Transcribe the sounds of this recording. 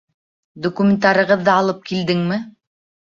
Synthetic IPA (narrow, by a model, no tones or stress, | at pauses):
d̪okumʲɪnt̪ɑɾɤ̆ʁɤðːɑɑlˠɤp̚kild̪ɘŋmɘ